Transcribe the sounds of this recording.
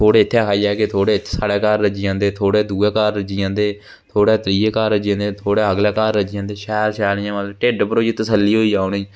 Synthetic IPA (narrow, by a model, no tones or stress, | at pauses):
t̪ʰoːɽeːɪt̪ʰːeːkʰaːiaːket̪ʰoːɽeːt̪ʰːsaːɽeːkaːɾːəd͡ʒijãːnd̪eːt̪ʰoːɽeːd̪uːeːkaːɾːəd͡ʒiãːnd̪eː | t̪ʰoːɽɛːt̪ɾiːeːkaːɾːəd͡ʒiãːnd̪eːt̪ʰoːɽɛːəɡlɛːkaːɾːəd͡ʒijãːnd̪eːʃɛːɾʃɛːnjãːʋalʈeːɖpəɾoːd͡ʒːt̪əsəlːiːɦoːiːd͡ʒaːoɳiː